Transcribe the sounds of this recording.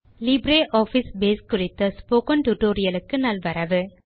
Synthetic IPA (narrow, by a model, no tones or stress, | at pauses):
lɪbɾeːʔɔːfisbeːskʊrɪt̪ːɐspoːkɐɳʈuʈoːɾɪjɐlɯkːɯnɐlʋɐɾɐʋɯ